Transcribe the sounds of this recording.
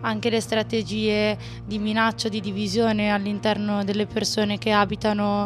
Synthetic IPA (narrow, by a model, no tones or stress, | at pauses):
aŋk̟elest̪ɾat̪ed͡ʒiːe | d̪iminat͡ʃːod̪id̪ivizjoːnealːint̪ɛrnod̪elːepersoːnek̟eaːbit̪ano